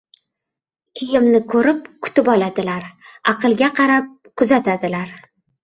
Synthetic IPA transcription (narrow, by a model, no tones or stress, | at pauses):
kʲʰɪjɪmnɪkʰɵɾɪp̚kʰʊ̥t̪ɪpɒlˠad̪ɪlaɾɑqʰɨlˠɡʲaqʰɑɾap̚ | kʰʊzat̪ʰad̪ɪlaɾ